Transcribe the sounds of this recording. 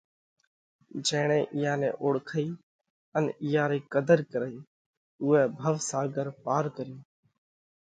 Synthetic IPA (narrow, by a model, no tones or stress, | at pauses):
d͡ʒɛːɳ̃ɛ̃ːʔɪjãːnɛ̰̃ːʔoːɽkʰəiː | ənɪjaːɾiːkəd̪əɾkəɾəiː | ʊːɛːbʱəʋsaːɡəɾpaːɾkəɾiː